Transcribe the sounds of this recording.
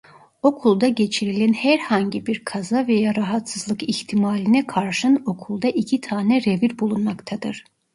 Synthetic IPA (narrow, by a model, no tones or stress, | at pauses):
o̞kʰulˠd̪aɟe̞t͡ʃʰiɾilʲænhæɾhaɲɟibiɾkʰazavejaɾaɦat̪sɯzlˠɯkiçt̪ʰimaːlʲinɛkʰaɾʃɯno̞kʰulˠd̪aʔicʰit̪ʰaːnɛɾeviɾbulˠunmakt̪ʰad̪ɯɾ̥